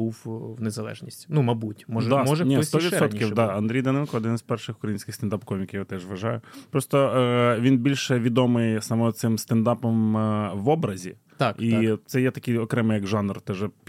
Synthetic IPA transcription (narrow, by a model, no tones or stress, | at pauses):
uwwnezɐlˠɛ̰ʒnʲisʲtʲnumɐbutʲmɔʒd̪ɑmɔʒnʲist̪ɔʋʋid̪sɔt̪kʲiwd̪ɑɐnd̪ɾʲijd̪ɐnɛnkɔɔd̪ɪnɪspɛrʃɪxʊ̥kɾɐjinʲsʲkʲɪxst̪end̪ɑpkɔmʲikʲjat̪ɛʒʋɐʒɑjʊpɾɔst̪ɔʋʲinbʲilʲʃɛʋʲid̪ɔmɪjsɐmɔt̪sɪmst̪end̪ɑpɔmʋɔbɾɐzʲi | t̪kit̪sɛjɛt̪ɐkʲɪjɔkɾɛmɪjɐɡʒɑnrt̪ɛʒɛ